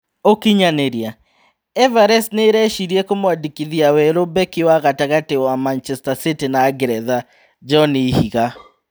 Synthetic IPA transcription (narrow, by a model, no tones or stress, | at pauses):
okiɲaneɾia | ɛvaɾɛsneɾɛʃiɾiɛkomwadikiðiawɛɾobɛkiwaɣataɣatewamant͡ʃɛstasitinaːɡɛɾɛða | d͡ʒɔnihiɣa